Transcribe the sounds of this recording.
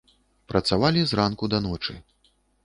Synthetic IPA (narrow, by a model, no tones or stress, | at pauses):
pɾʔɐt̪savalʲizrankud̪anɔt͡ʂɨ̰